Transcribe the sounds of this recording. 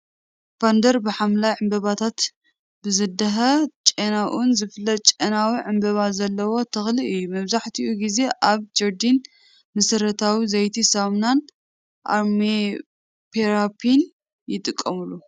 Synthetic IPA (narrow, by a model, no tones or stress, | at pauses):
b̥and̪ɐɾbɨħamlajʕɨmbɐβat̪ʰat̪ | bɨzɨd̪ɐɦɐt͡ʃʼenaʔunzɨflɐt̪̚t͡ʃʼenawiʕɨmbɐβazɐlːɐwo̞t̪ʰɐxliʔɨjːumɐβzaħt̪ʰiʔuɡize̞ʔaβd͡ʒɐɾd̪in | mɨsɨɾɐt̪ʰawizɐjt̪ʰisamnan | ʔa̰ɾmi | pʰeɾapʰin | jɪt̪ʼɨkʼːɐmɨlu